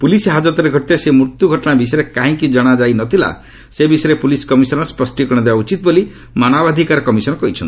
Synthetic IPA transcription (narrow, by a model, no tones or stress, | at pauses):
pulisɦad͡ʒɔt̪ɔɾeɡʱɔʈit̪esemuɾt̪juɡʱɔʈɔɽ̃abisɔɾekaɦĩkid͡ʒɔɽ̃ad͡ʒajnɔt̪ʰila̰ | sebisɔɾepuliskɔmisɔnɔspɔsʈikɔɽ̃ɔd̪ebaut͡ʃit̪̚boli | mañabad̪ʱikaɾɔkɔmisɔnɔkɔɦit͡ʃʰɔ̰ni